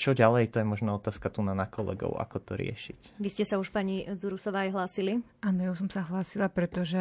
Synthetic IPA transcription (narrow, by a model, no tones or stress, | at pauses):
t͡ʃɔɟalɛjt̪ɔjɛmɔʒnaːɔt̪aːskat̪unanakɔlɛ̰ɡɔ̰ʊa̰kɔt̪ɔɾɪɛ̰ʃicʋiscɛsauʃpaːɲid͡zuɾusɔʋaːajɦlaːsiliaːnɔjausɔmsaɦlaːsilapɾɛt̪ɔʒɛ